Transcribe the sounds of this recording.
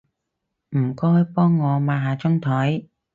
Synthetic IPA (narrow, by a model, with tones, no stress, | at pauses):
m̩˨˩kɔː˥jpɔː˥ŋːɔː˨˧maː˨˧ɦaː˨˧t͡sʊ˥ŋt̪ʰɔ˨˥j